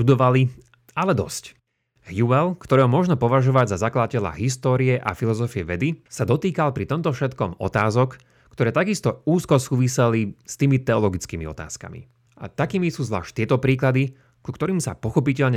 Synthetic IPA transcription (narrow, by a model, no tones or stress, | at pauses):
ud̪ɔʋali | alɛd̪ɔ̰sc | hjuɛlkt̪ɔɾɛːɦɔmʊɔʒnɔpɔʋaʒɔʋaɟzazaklad̪acɛla̰ɦist̪ɔːɾiɛʔa̰filɔzɔfiɛʋɛd̪isad̪ɔt̪iːkalpɾit̪ɔmt̪ɔfʃɛt̪kɔmɔ̰t̪aːzɔk | kt̪ɔɾɛːt̪aɡist̪ɔuːskɔsuːʋisɛlist̪iːmit̪ɛɔlɔɡit͡skiːmḭɔ̰t̪a̰ːska̰mḭ | ʔa̰t̪akiːmisuːzʋla̰ːʃct̪ɪɛt̪ɔpɾiːklad̪i | kukt̪ɔɾiːmsapɔxɔpicɛʎɲɛ